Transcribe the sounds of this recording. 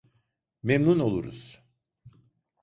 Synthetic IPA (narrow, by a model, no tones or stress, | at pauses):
memnuno̞lˠuɾṵz̥